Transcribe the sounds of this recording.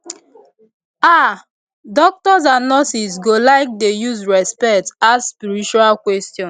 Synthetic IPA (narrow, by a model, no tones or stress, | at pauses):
a | dɔk̚tɔsãnnɔsisɡolaɪk̚dejuzɹɛspɛktasspiɹit͡ʃualkwɛstjɔ̃n